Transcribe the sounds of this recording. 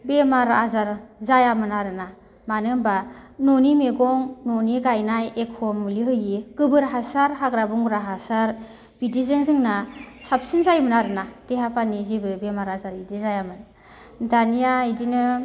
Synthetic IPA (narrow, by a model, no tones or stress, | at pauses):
bemaɾazaɾzajamɯnaɾɯna | manɯŋbanonimeɡɔŋnoniɡajnajekʰɔmliɦɯjikɯbɯɾɦasaɾɦaɡɾabuŋɾaɦasaɾ | b̥idizɯŋzɯŋnasap̚sinzajmɯnaɾɯnad̥eɦapʰanizibɯbemaɾazaɾidizajamɯn | danijaidinɯ